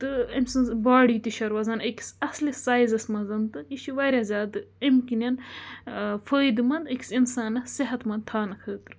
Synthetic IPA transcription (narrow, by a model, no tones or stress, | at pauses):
t̪ɨɐmʲsɨnbaːɽiːt̪iʃɐɾwɐzɐnəki̥sɐslisaːjzɐsmɐzɐnt̪ɨjiʃiʋɐːɾʲɐzʲaːd̪ɨɐmkinɐn | fəːjd̪mɐnd̪ɐki̥sinsaːnɐsiɦɐt̪mɐn̚t̪ʰaːnɐkʰəːt̪ɨɾ